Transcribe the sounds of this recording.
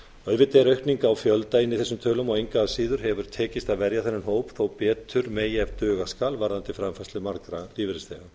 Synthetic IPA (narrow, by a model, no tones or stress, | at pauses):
œðvɪt̪ːɛɾœɥhkt̪niŋkaːwfjœlt̪aɪnːɪθɛsːʏmt̪ʰœːlʏmɔɣejŋkaːsiːðʏɾ̥ɦɛvʏɾ̥t̪ʰɛːcɪst̪aðvɛɾjaθɛnːɪnɦoːwpθowpɛːt̪ʰʏɾmeːjɛvt̪œːɣaskaːlvaɾðant̪ɪfɾamfast̪ʏmaɾkɾaliːvɪɾɪst̪ɛɣʏm